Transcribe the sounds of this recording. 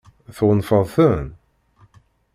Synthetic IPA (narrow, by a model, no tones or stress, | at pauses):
θwənfəðˤθən